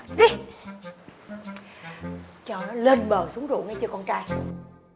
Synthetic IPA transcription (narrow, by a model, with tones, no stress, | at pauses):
ɗi˦ | t͡ɕɔː˧˩nɔ˨˦le˧nɓəː˨˩su˨˦əŋzṵ˧˨ŋa˧jt͡ɕəː˧kɔ˧nt͡ɕaː˧j